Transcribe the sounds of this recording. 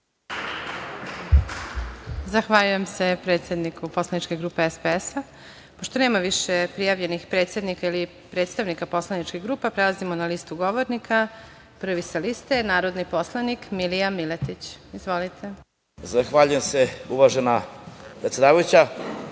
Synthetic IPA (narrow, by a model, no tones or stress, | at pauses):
zaxʋaʎuje̞mse̞pɾet̪sjed̪nikupo̞slˠanit͡ʃkeɡɾuːpeespeesa | poʃt̪o̞ne̞ːmaʋiʃepɾijaʋʎe̞nixpɾe̞t̪sjed̪nikaili | pɾe̞ːt̪st̪aʋnikapo̞slˠanit͡ʃkiɣɡɾuːpapɾe̞lazimonaliːst̪uɡo̞ʋoɾnikʰa | pr̩ʋisalist̪enaːɾo̞d̪nipo̞slˠanikmilijamilet̪it͡ɕizʋo̞lit̪ʰe̞ | zaxʋaʎujemseuʋaʒenapɾet̪sed̪aːʋajut͡ɕa